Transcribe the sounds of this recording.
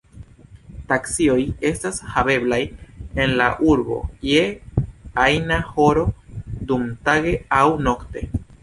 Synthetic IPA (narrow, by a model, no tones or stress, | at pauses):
taksio̞je̞stashabe̞blaje̞nlaʔuɾbo̞̰je | ajnaho̞ɾo̞dumtaɡe̞awno̞kte̞̰